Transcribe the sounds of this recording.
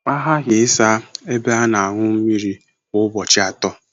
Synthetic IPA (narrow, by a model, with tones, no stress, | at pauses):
a˦ɦa˦ɦɪ˨ɪ˦sa˦e˦be˦a˦na˨a˨ŋʷʊ˦m̩˦mi˦ɾi˦ | ʊ˦bɔ˨t͡ʃɪ˦a˨tɔ˦